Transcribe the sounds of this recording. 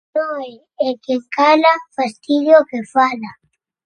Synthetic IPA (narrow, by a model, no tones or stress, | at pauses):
nõɛ | ɛkjeŋkalafast̪iðjokefala